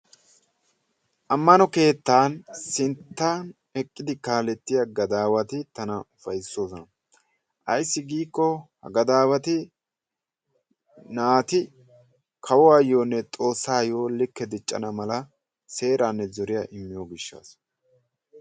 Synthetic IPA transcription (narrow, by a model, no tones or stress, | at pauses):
ʔɐmːɐnɔke̞ːt̪ːaːnsɪnt̪ːaːn | ɛkʼːɪd̪ɪkaːlɛt̪ːɪjaɡɐd̪aːwɐt̪ɪt̪ɐnɐʊfɐjɪsːo̞ːsɔnɐ | ʔɐjsːɪɡiːkːɔhɐ̰ɡɐd̪aːwɐt̪ɪ | naːt̪ɪ | kʰɐwɔɐjːo̞ːnːɛt̪ʼo̞ːsːaːjo̞ːlɪkːɛd̪ɪt͡ʃʼːɐ̰nɐmɐlɐ | se̞ːɾaːnːɛzɔɾɪjaːʔɪmːɪjo̞ːɡɪʃːa̰ːs